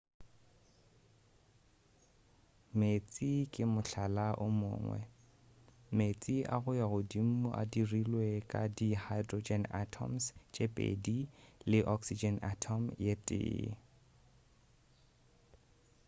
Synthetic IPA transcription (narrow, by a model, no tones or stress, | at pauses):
met͡sʼikʼɪmʊɬalaʔʊmʊ̰ːŋwɛ̰ | met͡sʼiʔa̰ɣʊjaɣʊdim̩ʊʔa̰dirilwekʼadihajdrod͡ʒɛnatʰɔ̰mst͡ʃʼepʼḛdilɪʔɔksid͡ʒɛnatʰɔmjetʼɪ̰ː